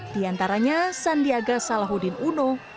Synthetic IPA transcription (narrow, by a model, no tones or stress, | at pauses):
d̥iant̪aɾaɲasandiaɡasalaɦudɪnuno